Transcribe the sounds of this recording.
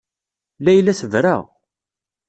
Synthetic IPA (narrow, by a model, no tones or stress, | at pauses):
læjlːæθəvɾa̰ʁ